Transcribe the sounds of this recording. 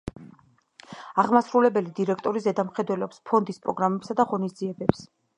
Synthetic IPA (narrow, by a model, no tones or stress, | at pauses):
aʁmasɾulɛbɛlid̪iɾɛkʰt̪ʼɔɾizɛd̪amχɛd̪wɛlɔpspʰɔnd̪ispʼɾɔɡɾamɛpsad̪aʁɔnisd̪ziɛbɛps